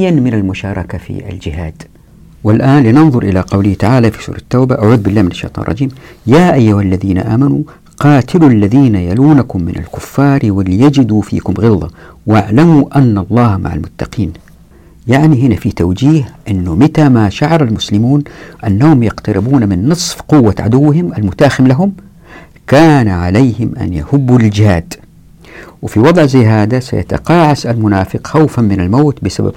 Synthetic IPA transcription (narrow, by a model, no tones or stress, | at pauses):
anmɪnalmʊʃɑːɾˤɑkafḭa̰ld͡ʒɪhaːd̪̥ | wɪlʔaːnlɪnɑnðˤʊɾˤʔɪlaqɑwlɪht̪aʕaːlafisṵːɾˤɑt̪ːaːbaʔaʕuːd̪bɪlːaːmɪnaʃːḛjt̪ˤɑ̰ːnrˤɑ̰d͡ʒiːmjaːʔajːʊhalːaðiːna̰ʔaːmanu | qɑːt̪ɪluʔlːaðiːnajaluːnakʊmːɪ̰nʔa̰lkʊfːɑːɾwɪlːijad͡ʒɪd̪ufḭːkʊmɣɪlːa̰waʕlamuʔanːalˤːɑːhma̰ʕa̰lmʊt̪ːɑqiːn | jaʕniɦɪnafit̪awd͡ʒiːhʔɪnːʊmɪt̪amaʃaʕɑɾˤalmʊslɪmuːnʔanːahʊmjɑqt̪aɾɪbuːnamɪnːɨsˤfqʊwːaʕa̰d̪ʊwːɦɪmʔalmʊt̪aːxɪmlaɦʊm | kaːnʕalejhɪmʔa̰njahʊbːuld͡ʒɪhaːd̪ | wɪfiwɑd̪ˤʕzajːɦaːd̪asa̰ja̰t̪a̰qɑːʕasalmʊnaːfɪqxawfanmɪnalmaːt̪bɪsaba̰b